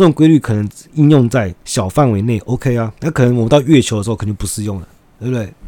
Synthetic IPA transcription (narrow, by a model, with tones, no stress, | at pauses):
ə˥˩˨ŋkwe˥ɪly˥˩kʰɤ˨˩nə˧˦ŋi˥˧njʊ˥˧ŋt͡sa˥˩ɪɕjɑ˨˩ʊfa˥˨nwe˧˥ɪne˥˩ɪʔo˧˥ʊkʰe˥ɪa˧na˥˩kʰɤ˨˩nə˧˦ŋwə˨˩mə˧˦˥t̪ɑ˥˧ʊɥɛ˥˩t͡ɕʰjo˧˥də˧˥˧k̪̩ʰ˧˨˩t͡ɕo˥˧pu˧˥ʂɻ̩˥˧jo˥˩ŋlə˩ | t̪we˥˧˩bt̪we˥˩ɪ